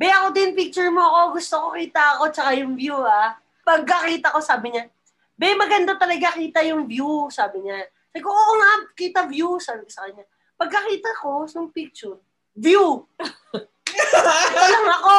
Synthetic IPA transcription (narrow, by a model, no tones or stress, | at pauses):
bɛʔɐko̞d̪ɪnpik̚t͡ʃʊɹmoʔɐko̞ɡʊst̪okokiːt̪ɐʔɐko̞t͡ʃɐkajʊŋvjua | pɐɡ̚kɐkiːt̪ɐko̞saːbɪɲa | bɛmɐɡɐnd̪at̪ɐlɐɡakiːt̪ɐjʊŋbjusaːbɪɲa | sakoʔokoŋakiːt̪ɐvjusaːbɪkosɐkɐɲːa | pɐɡ̚kɐkiːt̪ɐko̞nʊŋpik̚t͡ʃʊɹ | vju | ɐlɐŋɐko̞